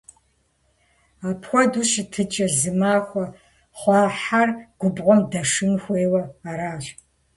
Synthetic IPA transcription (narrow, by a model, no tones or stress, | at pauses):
aːpʰxʷɔduʃɪtʰɨt͡ʃʼɐzɨmaːxʷɔ | χʷɑːħarɡ̥ʷʊbʁʷɔmdɐʂɨnxʷeːwɐaɾaːɕ